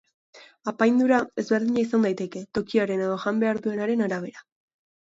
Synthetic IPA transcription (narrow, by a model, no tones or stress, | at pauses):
apajnd̪uɾae̞zβe̞ɾðiɲaisand̪ajt̪e̞ke̞t̪o̞kiaɾe̞ne̞ðo̞ʝambe̞aɾðue̞naɾe̞naɾaβ̞e̞ɾa